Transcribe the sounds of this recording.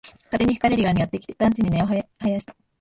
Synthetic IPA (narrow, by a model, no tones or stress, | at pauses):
kazeɲ̟iɸɯ̟kaɾeɾʲiɡaɲ̟ʲiɡat̪ːe̞kʲi̥t̪et̪ãnɲt͡ɕiɲ̟ine̞o̞ɦhajaɕi̥t̪ḁ